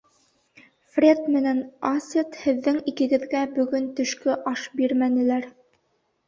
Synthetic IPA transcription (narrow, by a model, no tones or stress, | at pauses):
frʲet̪mɘ̆nænɑsʲet̪hɘ̆ðːɘŋikɘ̆ɡɘ̆ðɡæbɵ̆ɡɵnt̪ɵ̆ʃkɵʔɑʃbiɾmænɘ̆læɾ